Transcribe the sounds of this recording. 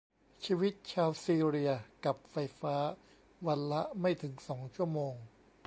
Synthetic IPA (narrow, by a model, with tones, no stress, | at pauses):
t͡ɕʰiː˧wi˦˥t̪̚t͡ɕʰaː˧wsiː˧ɾi˧ɐka˨˩p̚fa˧jfaː˦˥ | wa˧nla˦˥ʔma˥˩jt̪ʰɯ˩˦ŋsɔː˩˦ŋt͡ɕʰu˥˩əmoː˧ŋ